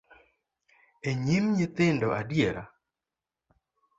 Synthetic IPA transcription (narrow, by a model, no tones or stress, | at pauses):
eɲimɲɪt̪ɪndɔʔadjeɾa̰